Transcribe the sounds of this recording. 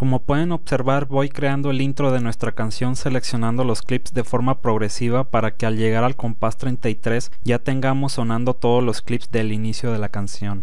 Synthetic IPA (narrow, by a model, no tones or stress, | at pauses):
komo̞pwe̞ðe̞no̞βse̞ɾβaɾβo̞jkɾe̞and̪o̞elint̪ɾo̞ð̞e̞nwe̞st̪ɾakansjo̞nse̞le̞ksjo̞nãnd̪o̞lo̞sklipzðe̞fo̞ɾmapɾo̞ɣ̞ɾe̞siβapaɾake̞alʝe̞ɣ̞aɾalko̞mpast̪ɾejnt̪ait̪ɾe̞s | ɟ͡ʝat̪e̞ŋɡamo̞sːo̞nãnd̪o̞t̪o̞ð̞ozlo̞sklipzd̪e̞linisjo̞ð̞e̞lakansjo̞n